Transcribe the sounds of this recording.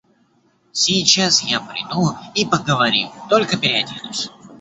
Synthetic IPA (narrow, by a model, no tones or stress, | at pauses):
sʲɪjt͡ɕasjapɾʲɪ̰d̪uipəɡəvɐɾʲḭt̪o̞lʲkəpʲɪɾʲɪɐdʲed̪ʊsʲ